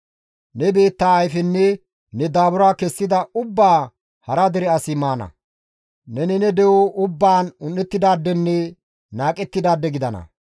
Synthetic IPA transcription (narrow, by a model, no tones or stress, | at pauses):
nɛbe̞ːt̪ːaːjfɛnːɛ | nɛd̪aːbʊɾaːkɛsːɪd̪ɐʊbːaː | hɐɾɐd̪ɛɾɛɐsɪmaːnɐ̰ | nɛnɛnɛd̪ɛwɔʊbːaːnʊnːɛt̪ːɪd̪aːd̪ːɛnːɛ | naːkʼɛt̪ːɪd̪aːd̪ːɛɡɪd̪ɐnɐ̰